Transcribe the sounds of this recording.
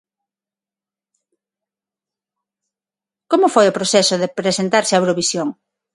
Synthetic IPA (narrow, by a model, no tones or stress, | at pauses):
komʊfojʊpɾoθɛsʊðepɾesent̪aɾsɪɐawɾoβisjoŋ